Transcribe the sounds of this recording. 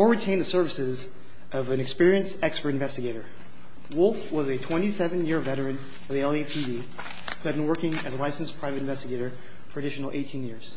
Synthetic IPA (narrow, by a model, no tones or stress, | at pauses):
ɔɹɹitʰẽɪ̃nðɨsɜ˞vɨsɪz | ʌvɨ̃nɨkspɪɹiɨ̃nsɛkspə˞ɾɨ̃ɱvɛstɨɡeɪɾə˞ | wʊlˠfwʌzɨtʰw̥ɛ̃ñtisɛvɨ̃njɪɹvɛɾə˞ɨ̃n | ʌvðiɛlˠetʰivi | hʉɨd̚bɨ̃n̩wɜ˞kɪ̃ŋɨzlaɪsnspʰɹ̥aɪvɨɾ̃ɱvɛstɨɡeɪɾə˞ | fə˞ɨdɪʃn̩l̩ˠʔeɪtʰĩnjɪɹz̥